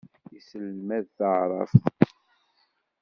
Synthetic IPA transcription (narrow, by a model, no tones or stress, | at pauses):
isəlmæðθəʕɾˤɑ̰f